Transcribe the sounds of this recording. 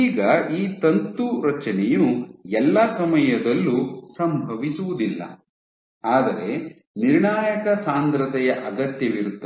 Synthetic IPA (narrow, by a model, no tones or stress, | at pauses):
iːɡɐiːt̪ɐnt̪uɾɐt͡ʃɐnɛjuɛlːɐsɐmɐjɐd̪ɐlːusɐmbʱɐʋisuʋud̪ilːɐ̰ | aːd̪ɐɾe̞ | niɾɳaːjɐkɐsaːnd̪ɾɐt̪ɛjɐʔɐɡɐt̪jɐʋiɾut̪ːɐ